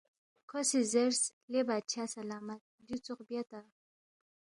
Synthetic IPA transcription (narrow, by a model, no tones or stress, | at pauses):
kʰosizeɾslebat͡ʃʰasalaːmat̪̚d̪it͡suqbjat̪a